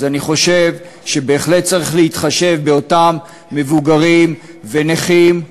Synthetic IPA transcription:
zaniχo̞ʃe̞v | ʃe̞be̞ːχle̞t̚t͡saʁiχleitχaʃe̞vbe̞o̞tamː | evuɡaʁim | veneχim

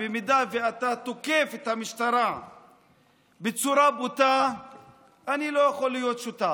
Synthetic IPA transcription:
bemid̪aveat̪at̪oke̞fet̪hamiʃt̪aɾa | bet͡suɾabut̪a | nilo̞jaχolːijo̞t̪ʃut̪a

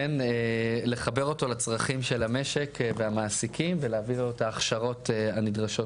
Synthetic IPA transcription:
enele̞χabe̞ʁo̞to̞lat͡sʁaχimʃe̞lame̞ʃe̞kveamaːsikʰimveleavilotaːχʃaʁo̞teanidʁaʃo̞t

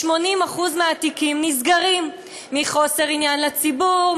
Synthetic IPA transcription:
ʃmo̞nimaχuzmeat̪ikimnizɡaʁimː | iχo̞se̞ʁinjanlet͡sibuʁ

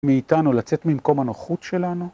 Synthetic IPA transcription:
miːtanulat͡set̪mimko̞manoχutʃe̞lanu

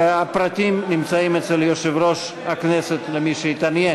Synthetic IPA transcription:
apɾat̪imnimt͡saimɛt͡sɛljoʃevɾoʃ | haknɛset̪lemiʃeit̪anje

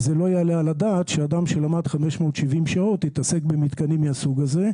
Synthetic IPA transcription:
zelo̞ajalealadaːt̪ʃead̪amʃelamad̪χame̞ʃmo̞ːt̪ʃivimʃao̞thit̪ase̞kbemit̪kanimːiasuɡaze̞

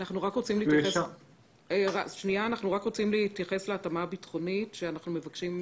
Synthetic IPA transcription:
naχnuʁakʁo̞t͡simliːtjes | eʁaʃnijaːnaχnuʁakʁo̞t͡simliːtjaχe̞sleatamabitχo̞nitʃeanaχnume̞vakʃim

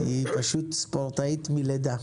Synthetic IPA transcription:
ipaʃut̪spoʁt̪ait̪miled̪a

